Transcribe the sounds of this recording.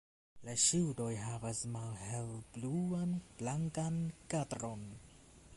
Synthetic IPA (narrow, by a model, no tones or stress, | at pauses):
laʃiwdojɦavasmalhelb̥luanb̥laŋkankatɾo̞n